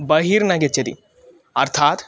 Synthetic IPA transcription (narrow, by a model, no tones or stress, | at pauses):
bɐɦiɾnɐɡetːt͡ʃɐt̪ḭ | ɐɾt̪ʰaːt̪